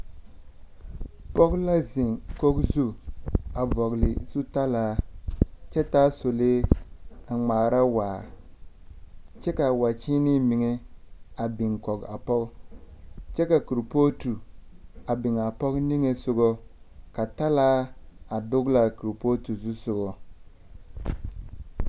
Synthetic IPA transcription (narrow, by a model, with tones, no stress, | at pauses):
pɔ˦ɡla˦zɪ˨ŋko˦kzu˦a˨vɔ˨ɣlɪ˨z̥u˦ta˦laː˦ | t͡ʃɛ˦ta˦so˨leː˦˨ | ŋ͡maː˨ɾa˦waː˨ | t͡ʃɛ˦ka˨wa˨t͡ʃiː˦nɪ˦mɪ˨ŋɛ˦a˨bɪ˨ŋkɔ˨ka̰˨pɔ˦k | t͡ʃɛ˦ka˨ku˨ɾpo˦tu˨a˨bɪ˨ŋa˨pɔ˦kni˦ŋe˦sʊ˦ɡo˦ | ka˨ta˦laː˦a˨dʊ˦ɡla˨ku˨ɾpo˦tu˨zu˦sʊ˨ɡo˦